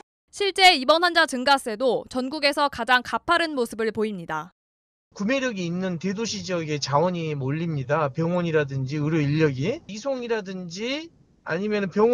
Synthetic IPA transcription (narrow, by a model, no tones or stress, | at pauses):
ɕʰiɭt͡ɕ͈e̞ibʌnɦand͡ʑat͡ɕɯŋɡas͈e̞dot͡ɕʌnɡuɡe̞sʰʌkad͡ʑaŋkapʰaɾɯnmosʰɯbɯɭpoimɲida | kume̞ɾjʌɡiːnːɯnte̞doɕʰid͡ʑiʌɡe̞t͡ɕawʌɲimoʎːimɲidapjʌŋwʌɲiɾadɯnd͡ʑiɯɾjoiʎːʌɡiisʰoŋiɾadɯnd͡ʑi | a̰ɲimjʌnɯnpjʌŋ